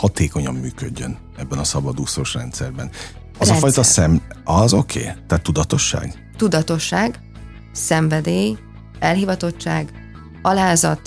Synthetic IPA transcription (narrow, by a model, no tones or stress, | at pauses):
hɒt̪eːko̞ɲɒmːyːkø̰ɟːøn | ɛbːɛnɒsɒbɒd̪usoʃrɛnt̪sɛrbɛn | ɒɒfɒjt̪ɒsɛmɒzo̞kʰḛːt̪aːt̪ːud̪ɒt̪o̞ʃːa̰ːɡ | t̪ud̪ɒt̪o̞ʃːaːɡ | sɛɱvɛd̪eːj | ɛlɦivɒt̪o̞t͡ʃːaːɡ | ɒlaːzɒt̪